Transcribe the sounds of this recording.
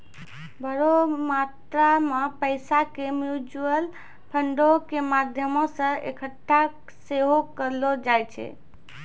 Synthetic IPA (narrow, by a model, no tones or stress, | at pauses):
bəɾomat̪ɾamepəɪsakemjud͡ʒuəl | pʰəɳɖokemad̪ʱjəmõsə̃ḛkʰəʈʰːa | seɦokəɾlɔd͡ʒajt͡ʃʰɛ̰